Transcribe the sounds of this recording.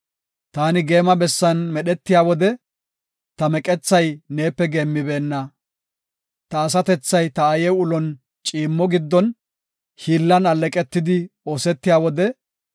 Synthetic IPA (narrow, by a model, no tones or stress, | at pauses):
t̪aːnɪɡe̞ːmɐbɛsːɐnmɛɗɛt̪ːɪjaːwɔd̪ɛ | t̪ɐmɛkʼɛt͡sːɐjne̞ːpːɛɡeːmːɪbe̞ːnːɐ | t̪ɐːs̬ɐt̪ɛt͡sːɐjt̪ɐːjɛʊlɔn | t͡ʃʼiːmːɔɡɪd̪ːɔn | hiːlːɐnɐlːɛkʼɛt̪ːɪd̪ɪo̞ːsɛt̪ːɪjaːwɔd̪ɛ